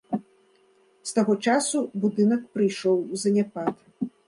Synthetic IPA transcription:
st̪aɣɔt͡ʂasubud̪ɨnɐk̚pɾɨjʂɔwzɐnʲapat̪

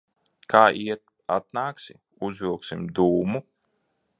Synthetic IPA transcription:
kʰaːʔiɛt̪ | at̪̚naːksi | uzvilˠksimd̪uːmu

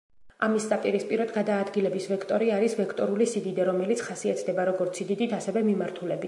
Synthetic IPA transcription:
amist̪sʼat̪ʼiɾispʼiɾɔd̪ɡad̪aːd̪ɡilɛbisvɛkʰt̪ʼɔɾiaɾisvɛkʰt̪ʼɔɾulisid̪id̪aɾɔmɛlit̪sʰχasiat̪ʰd̪ɛbaɾɔɡɔɾt̪sʰid̪id̪it̪ʰasɛvɛmimaɾt̪ʰulɛbit̪

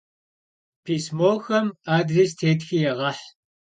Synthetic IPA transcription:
pʰiːsmoːxɐmaːdrestʰeːtxijɛʁɐħ

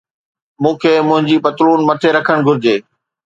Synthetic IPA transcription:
mũːkʰeːmʊ̃ɦɪ̃ɲd͡ʑiːpɐt̪ɾuːnmɐʈ̪ʰeɾɐkʰəɽ̃ɡʱʊɾɪd͡ʑeː

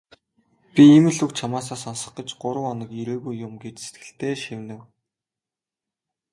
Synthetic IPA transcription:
pʲiemɘ̆ɮukt͡ɕʰamaːs̬aːsansə̥̆χɢə̆t͡ɕɢʊɾə̆wɔnə̆kiɾeːɣujːʊmɡet͡ɕse̥t̪ɡɘ̆ɬt̪ʰeːʃiwnɘ̆w

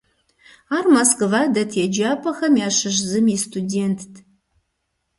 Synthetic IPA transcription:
aːrmɐskɨvaːdɐtʰɛd͡ʒaːpʰɐxɐmjaːɕɨʃ̬zɨmistʰudeːntʰː

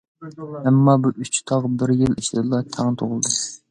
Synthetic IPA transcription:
ɛmːɑbuʔyt͡ʃt̪ʰɑʁbɪɾjɪliʃlɪd̪lˠɑt̪ʰæŋt̪ʰoʁəlˠd̪u

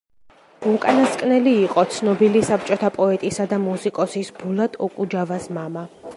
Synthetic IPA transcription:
ukʼanaskʼnɛliːqʼɔt̪sʰnɔbilisap̚ʰt͡ʃʼɔt̪ʰapʼɔɛt̪ʼisad̪amusikʼɔsisbulˠat̪ʼɔkʼud͡ʒavasmama

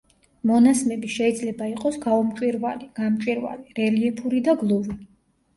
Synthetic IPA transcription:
mɔnasmɛbiʃɛid̪zlɛbaiqʼɔsɡaɔmt͡ʃʼwiɾvaliɡ̥amt͡ʃʼwiɾva̰liɾɛliɛpʰuɾid̪aɡlˠuvi

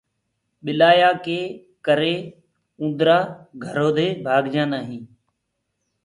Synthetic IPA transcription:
ɓɪlaːjaːkeː | kəɾeː | ũːnd̪ɾaːɡʱəɾoːd̪ʱeːbʱaːɡd͡ʒãːnaːɦĩː

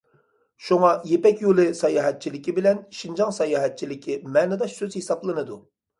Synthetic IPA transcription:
ʃuŋɑjepɛkʲjolˠɨsɑjɑːɦɛt̪̚t͡ʃʰilɪkʲibɪlɛnʃind͡ʒɑŋsɑjɑːɦɛt̪̚t͡ʃʰilɪkʲʰimɛːnɨd̪ɑʃsøz̥hesɑblˠɨnɨd̪u

